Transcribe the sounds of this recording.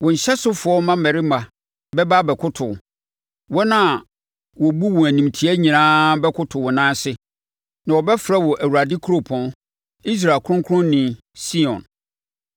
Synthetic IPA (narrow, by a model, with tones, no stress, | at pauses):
wɔ̃˨ɲ̩˨ɕɛ˦sʊ˦fʊ˨˦ɔ˦mã˦mɛ˨ɾɪ˦mã˨ | bɛ˦ba˦bɛ˨kʰʊ˦tʰʊ̰˨ | wɔ˦nã˦˨ | wɔ˨bu˦wɔ̃˨æ˨nĩ˨mtʰi˨˦æ˦ɲĩ˨nãː˦bɛ˦kʰʊ˦tʰʊ˨wɔ˨nãː˦sɪ˦ | nã˨wɔ˨bɛ˦fɾa˦wɔ˨ʔæ˨wu˨ɾa˨dɪ˦kʰʊ˦ɾo˨pʰɔ̃˨n | i˦s̬ɾaː˨kʰʊ˦ʊ̃˦ŋkʰʊ˦ɾʊ̃˦nːĩ˨ | si˦ɔ̰̃˨n